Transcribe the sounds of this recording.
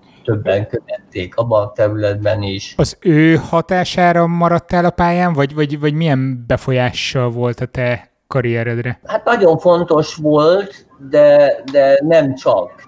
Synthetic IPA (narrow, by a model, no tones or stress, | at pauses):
t̪øbːɛŋkøvɛt̪ːeːkɒbɒnt̪ɛɾylɛd̪̚bɛniʃɒzøːhɒt̪aːʃaːɾɒmɒɾɒt̪ːɛlɒpaːjaːɱvɒɟvɒɟvɒɟmijɛmbɛfo̞jaːʃːɒlvo̞lt̪ɒt̪ɛ | kɒɾijɛɾɛd̪rɛhat̪nɒɟo̞ɱfo̞nt̪o̞ʃʋolt̪ | d̪ɛd̪ɛnɛmt͡ʃɒk